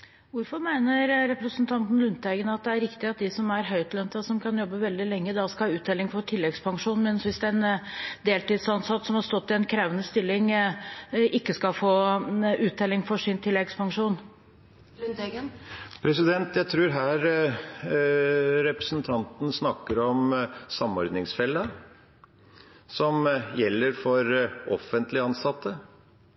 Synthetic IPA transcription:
ʋʊɾfɔɾmæɪnəɾːɛpɾəsənt̪ʰɑnt̪n̩lʉnt̪ɛɡənɑt̪̚d̪ɛæɾɪkt̪ɪɑt̪̚d̪ɪsɔmæɾɦœʏt̪lœnt̪əsɔmkʰɑnjɔbːəʋɛld̪ɪlɛŋːəd̪ɑskɑhɑʉːt̪̚d̪ɛlːɪŋfɔʈʰɪlːɛɡspʰɑŋʂuːnmɛnsʋɪsd̪ɛnd̪eːlt̪iːd̪sɑnsɑt̪ːsɔmhɑɾst̪ɔt̪ːɪɛnkʰɾæʋənəst̪ɪlːɪŋ | ʔɪkːəskɑlfoːʉːt̪̚d̪ɛlɪŋfɔʂɪnt̪ʰɪlːɛɡspɑŋʂuːn | pʰɾɛsɪd̪ɛnt̪jæɪt̪ʰɾʉːɾɦæːɾ | ɾɛpɾəsnt̪ʰɑnt̪n̩snɑkːəɾɔmsɑmɔɾd̪nɪŋsfɛlːə | sɔmjɛlːəɾfɔɾɔ̰fənt̪lɪəɑnsɑt̪ːə

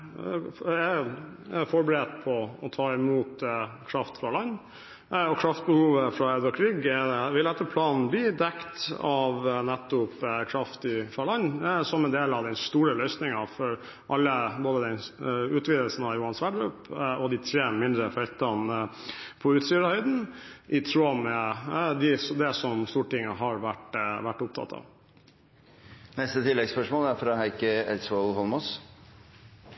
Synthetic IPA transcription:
æ | fɔɾbəɾɛt̪̚pʰɔɔt̪ʰɑːɪmuːt̪kʰɾɑft̪fɾɑlɑnː | ɔkʰɾɑft̪̚bəhuːʋəfɾɑœd̪ɾɑkʰɾiːɡɛʋɪlɛt̪ːəpʰlɑːnn̩bliːd̪ɛkt̪ɑʋnɛt̪ːʊpkʰɾɑft̪ɪfɾɑlɑɲːsɔmɛnd̪eːlɑʋd̪ɛnst̪uːɾəlœʏsnɪŋɑfɔɾ | ʔɑlːəboːd̪əd̪ɛnʉːt̪ʋiːd̪əlsn̩ɑʋjʊːhɑnsʋæɖɡɾʉːpɔd̪ɪt̪ʰɾeːmɪnd̪ɾəfœʏt̪ɑn | pʰɔʉːt̪st̪yːɾəhœʏd̪n̩ʔɪt̪ʰɾoːmɛd̪ɪsd̪ɛsɔmst̪uːʈɪŋːəɦɑɾʋæʈʋæʈːʊp̚t̪ʰɑ̰t̪ʰːɑ̰ʋ | nɛst̪ət̪ʰɪlːɛɡspœʂmoːlæɾfɾɑɦæɪkəɛlsʋɔlhɔlmɔs

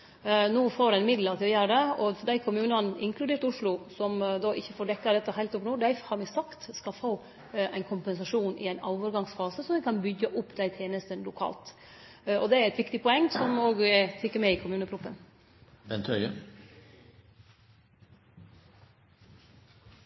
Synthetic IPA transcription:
nuːfoːɾæɪnmɪd̪ləɾt̪ʰɪlɔjøːɾd̪ɛɔd̪æɪkʰʊmʉːnɑnʔɪŋkʰlʉd̪eːɾʈ̪ʊʂlʊsɔmd̪ɑʔɪçːəfoːɖɛkːɑd̪ɛt̪ːəhæɪlt̪ʊpnuːd̪æɪhɑɾmɪsɑkt̪skɑlfoː | æɪnkʰʊmpɛns̬ɑʂuːnɪ̰æɪnɑːʋəɾɡɑŋsfɑːsəsɔmʋɪkʰɑnbʏɡːəʔʊpːd̪æɪt̪ʰeːnəst̪ənlʊkʰɑ̰ːlt̪ | ɔd̪ɛæɾɛt̪ʋɪkt̪ɪpʰɔɛŋːsɔmoːɡɛt̪ʰɪkːəɾmɛɪkʰʊmʉːnəpʰɾʊpːən | ʋɛnt̪ʰœʏə

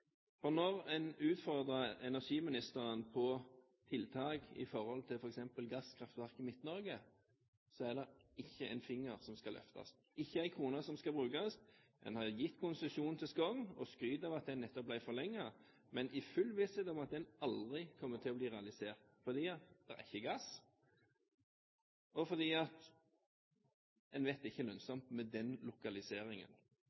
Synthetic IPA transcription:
fɔnɔʁɛnʉːt̪fɔʁd̪ʁəɛnæʁʂiːmɪnɪst̪əʁənpʰɔ | t̪ʰɪlt̪ʰɑːɡɪ̰fɔʁhɔlt̪ʰɪlfɔɾɛksɛmpəlɡɑskʰʁɑft̪ʋæʁkɪmɪt̪nɔʁɡə | sɔæʁd̪ɛɪçːəʔɛ̰ɪnfɪŋːəʁsɔmskɑlʔœ̰ft̪ɑ̰s | ɪçːəæɪkʰʁuːnəsɔmskɑbʁʉːkɑs | ɛ̰nhɑjɪt̪ːkʰʊnsəsuːnnt̪ʰɪlskɔŋɔskɾyːd̪ɑʋɑt̪̚d̪ɛnːɛt̪ːɔp̚blæɪfɔʁlɛŋːɑ | mɛnʔɪfʉlʋɪsɛd̪ɔmɑt̪̚d̪ɛnɑld̪ʁɪkʰɔmːət̪ʰɪlɔbliːʁɛɑlɪseːʁt̪fɔd̪iːɑt̪d̪ɛ̰ʁæɪçːəɡɑs | ɔfɔʁd̪iːɑt̪ | ɛnʋɛt̪ɪçːəlœnsɔmt̪mɛd̪ɛnlʊkɑlɪseːɾɪŋə̰n

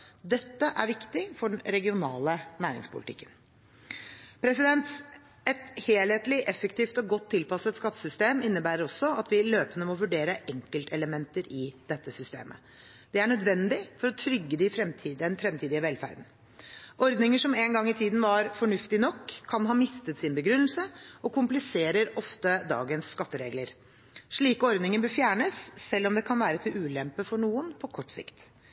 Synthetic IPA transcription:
d̪ɛt̪ːəʔæ̰ɾʋɪkt̪ɪfɔɖnɾɛɡɪʊnɑ̰ːlənæːɾɪ̰ŋspʰʊ̰lɪt̪ʰɪ̰kːən | pʰɾɛsɪd̪ɛnt̪ | ɛt̪heːlheːt̪lɪʔɛfəkt̪iːft̪ɔɡɔt̪ʰːɪlpɑsət̪skɑt̪ːəsʏst̪eːmɪnːəbæːɾəɾɔsːɔɑt̪ʋɪløːpənəmɔʋʉɖeːɾəʔɛŋkəlt̪ʰɛləmɛnt̪əɾɪd̪ɛt̪ːəsʏst̪ḛːmʔə̰ | d̪̥ɛæɳœd̪ʋɛnd̪ɪfɔɾɔt̪ʰɾʏɡːəd̪ɪfɾɛmt̪ʰiːd̪ɛnfɾɛmt̪ʰiːd̪ɪəʋɛlfæ̰ːɾd̪n̩ | ʔɔɾd̪nɪŋəʂɔmɛnɡɑŋːɪt̪ʰiːd̪n̩ʋɑɾfɔɳʉft̪ɪnɔkʰːɑnɦɑːmɪst̪ət̪sɪnbəɡɾʉnːəl̩səɔkʊmplɪseːɾəɾɔft̪əd̪ɑ̰ːɡənsːkɑt̪ːəɾḛːɡləɾ | ʂɭiːkɔɾd̪nɪŋənbəfjæːɳəsːɛlːɔmd̪ɛkʰɑnʋæːɾət̪ʰɪlʉːlɛmpːəfɔɳuːənpʰɔkʰɔʈːsɪ̰kt̪

